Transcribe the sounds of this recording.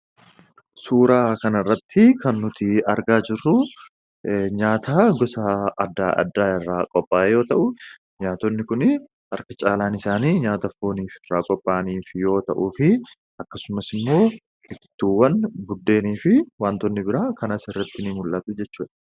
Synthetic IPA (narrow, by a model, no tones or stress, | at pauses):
suːɾaːkɐnɐɪrːɐt̪ʰːɪkʰɐnːʊt̪ɪɐɾɡaːd͡ʒɪrːʊ | ɲaːt̪ʰaːɡɔsaɐd̪ːaːʔɐ̰d̪ːaːɪrːaːkʼɔpʼːaːjo̞ːt̪ɐʔʊ | ɲaːt̪ɔnːɪkʊnɪ | ɐɾkɐt͡ʃʼaːlaːnɪsaːniːɲaːt̪ɐfoːniːfɪrːaːkʼɔpʼːaːniːfjo̞ːt̪ɐʔuːfɪ | ʔɐkːɐsʊmɐsɪmːo̞ː | ɪt̪ːɪ̥t̪ːuːwːɐnbʊd̪ːe̞ːniːfɪwaːnt̪ɔnːɪbɪɾaːkɐnɐsɪrːɐt̪ːɪnɪmʊlːɐt̪ʊd͡ʒɛt͡ʃːuːᶑɐ̥